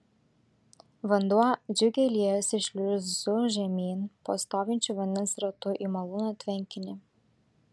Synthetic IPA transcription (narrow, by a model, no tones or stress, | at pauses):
ʋɐnd̪uɔd͡ʒʲʊɡʲɛlʲiɛjɛsɪʃʲlʲʊzzʊʒʲɛmʲiːnpo̰ːst̪oːʋʲɪnʲt͡ʃʲuːʋɐnʲd̪ʲɛnsɾɐt̪ʊʔimɐlˠuːnot̪ʲʋʲɛŋʲkʲɪnʲɪ